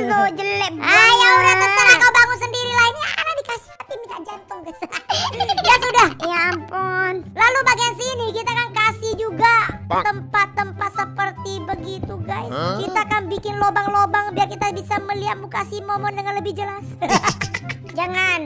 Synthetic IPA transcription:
nod͡ʒəlɛbajauɾaət̪ənaabaŋʊnsəndiɾilainjakanadikasi̥hhat̪imit̪ad͡ʒant̪ʊŋkasa | jasudahjampunlalubaɡiansinikit̪akankasɪhd͡ʒuɡat̪əmpat̪ːəmpat̪səpərt̪ibəɡit̪uɡajskit̪akanbikɪnlobaŋlobaŋbiakit̪abisaməliat̪̚mukasimomɔndəŋanləbɪhd͡ʒəlas | d͡ʒaŋan

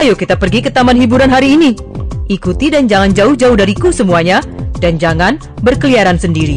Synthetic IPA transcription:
ajukit̪apərɡikət̪amanɦibuɾanɦaɾiːni | ʔikut̪idand͡ʒaŋand͡ʒaʊhd͡ʒaʊhdaɾikusəmuaɲadand͡ʒaŋan | bərkəliaɾansəndiɾi

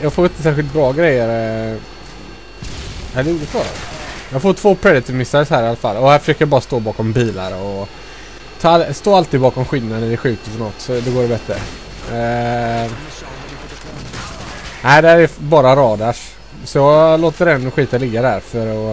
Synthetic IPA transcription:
jɑːɡfoːɾɪnt̪əsæːɾɧɪlt̪̚bɾɑːɡɾɛjːəɾ | æd̪ɛuːbɾɑ̰ːjɑːɡfoːʈʰvoːpʰɾɛd̪ɪat̪ɪvmɪsaɾəsɔhæːɾɪalːafa̰lːɔhæɾfœ̥ʂøːkəjɑbɑːɾast̪oːbɑːkɔmbiːla̰ɾɔ | t̪ʰɑːst̪oːalt̪ɪːd̪̚bɑːkɔmɧɪlnad̪ənæd̪ɛɧʉ̟ːk̚t̪əp̪ɔnɔt̪ːsɔd̪ɛɡoːɖɛbɛt̪ɾə | næɪd̪ɛhæɾɛbɑːɾaɾɑːd̪aʂ | sɔjɑːloːt̪əɾɛnːɧiːt̪alɪɡːad̪ɛæɾfœɾɔ

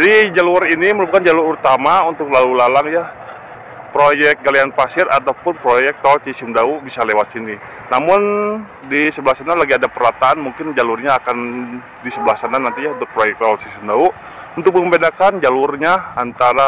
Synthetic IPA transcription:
d͡ʒadid͡ʒaluriniməɾupakand͡ʒalʊɾut̪amaunt̪ʊk̚lalulalaŋja | pɾojɛk̚ɡalianfasɪrat̪awpʊnpɾojɛk̚t̪aɔlsisɪmdauʔbisalewat̪̚sini | namʊn | disəbəlahsanalaɡiadapəɾat̪aanmuŋkɪnd͡ʒalurɲaːkan | disəbəlahsananant̪iɲaunt̪ʊk̚pɾojɛk̚t̪aɔlsisimdauʔ | unt̪ʊk̚məmbedakand͡ʒalʊrɲaant̪aɾa

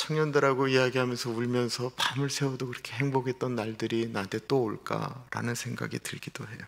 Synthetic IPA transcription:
t͡ɕʰʌŋɲʌndɯɾaɡoijaɡiɦamjʌnsʰʌuɭmjʌnsʰʌpamɯɭsʰe̞odokɯɾʌkʰe̞ɦe̞ŋboɡe̞t̚t͈ʌnːaɭdɯɾinade̞t͈oːɭk͈a̰ɾa̰nɯnsʰe̞ŋɡa̰ɡḭtɯɭɡidoɦe̞jo

